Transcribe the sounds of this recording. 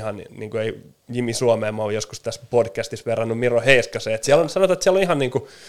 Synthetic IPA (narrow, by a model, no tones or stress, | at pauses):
hɑnniːŋkuei | jimisuɑmeːmːojoskust̪æspodkæst̪isʋerɑnːummiroheiskɑseːet̪siælonsɑnot̪ɑet̪siɛlonihɑnniːŋku